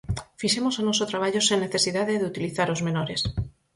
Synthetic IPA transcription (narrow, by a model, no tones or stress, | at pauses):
fiʃemosanosot̪ɾaβ̞aʎoseŋneθesiðaðeðeut̪iliθaɾozmenoɾes